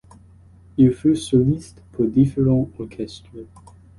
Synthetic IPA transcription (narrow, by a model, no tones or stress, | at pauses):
ilfysɔlist̪pʰuʁd̪ifeʁɑ̃ɔʁkʲʰɛst̪χə